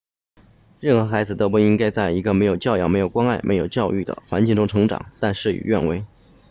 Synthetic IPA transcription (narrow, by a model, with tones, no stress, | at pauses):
ɻə˥˩nxɤ˧˥xa˧˥ɪd͡zɹ̩˨˩t̪o˥pu˥˩i˥ŋka˥ɪt͡sa˥˩ɪi˧˥ɡə˧me˧˥ɪjo˨˩ʊt͡ɕjɑ˥˧ʊjɑ˥˩ʊme˧˥ɪjʊkwɑ˥ŋa˥˩ɪmḛ˧˥ɪjo˨˩ʊt͡ɕjɑ˥˧ʊy˥˩d̪ə̰˩xwa̰˧˥nt͡ɕi˥˩ŋʈ͡ʂʊ˥ŋʈ͡ʂʰɤ˧˥ŋʈ͡ʂɑ̰˨˩˦ŋt̪a˥˧nʂɻ̩˥˩y̰˨˩ɥɛ˥˩nwe˥ɪ